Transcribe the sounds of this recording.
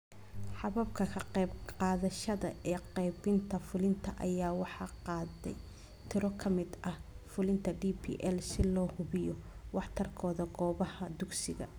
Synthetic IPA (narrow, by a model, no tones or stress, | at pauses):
ħɑβɐbkʰɐkʰɐqɛjbqɑːðɐʃɐðɐʔɛːqɛjbɪnt̪ʰɐfʊlɪnt̪ʰɐʔɐ̰jaːwɑħɑqɑːðɛ̰j | t̪ʰɪɾɔkʰɐmɪd̪ɐhfʊlɪnt̪ʰɐɖiːpʰḭːʔɛlsɪlɔːhʊβɪjɔwɑħt̪ʰɐrkʰɔːðɐɡɔːβɐhɐd̪ʊɡsɪɣɐ̰